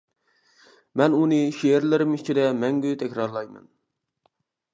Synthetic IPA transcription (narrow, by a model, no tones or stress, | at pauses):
mɛnunɨʃeeɾlɪɾɪmit͡ʃʰid̪ɛmɛŋɡʲyt̪ʰɛkʲɾɑɾlˠɑjmɛ̰n